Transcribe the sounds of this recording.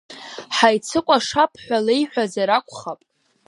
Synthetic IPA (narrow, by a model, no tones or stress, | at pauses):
ħajt͡sʰɨkʷʼaʂapʰħʷᶣalejħʷᶣazaɾakʷʰʼχapʼ